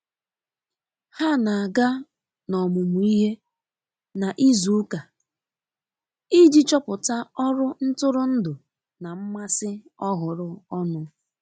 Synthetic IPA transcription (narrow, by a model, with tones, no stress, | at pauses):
ha˦na˨a˨ɡa˦ | nɔ˨mʊ˨mu˨˦i˦ɦe˦ | na˨ʔi˦zu˨ʊ˦ka˨ | i˦d͡ʒi˦t͡ʃɔ˦pʊ˨ta˦ɔ˦ɾʊ˦n̩˦tʊ˦ɾʊ˦n̩˦dʊ˨ | na˨m̩˦ma˦sɪ˦ɔ˦ɦʊ˨ɾʊ˦ɔ˦nʊ˨˦